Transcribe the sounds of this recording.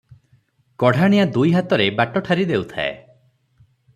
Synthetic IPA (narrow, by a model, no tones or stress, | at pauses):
kɔɽ̤ʱaɽ̃ijad̪ujɦat̪ɔɾebaʈɔʈʰaɾid̪ewt̪ʰa̰ḛ